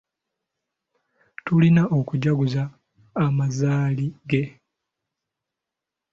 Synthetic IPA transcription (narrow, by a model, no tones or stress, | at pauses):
tulinaʔo̞kuɟaɡuzaː | mazaːliɡe̞